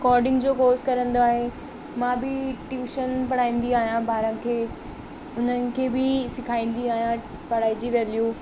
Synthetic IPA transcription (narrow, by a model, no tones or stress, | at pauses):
kɔːɾɖɪ̃ŋɡd͡ʑoːkoːskɐɾə̃nd̪oaːɦe | mãːbɪʈjuːʃənpɐɽ̤aːĩːn̆d̪iaːɦijãbʱaːɾənkʰeː | ʊn̤ənɪ̆kʰeːbɪsɪkʰaːĩːn̆d̪iaːɦijã | pɐɽ̤aːid͡ʑiʋɛːljuː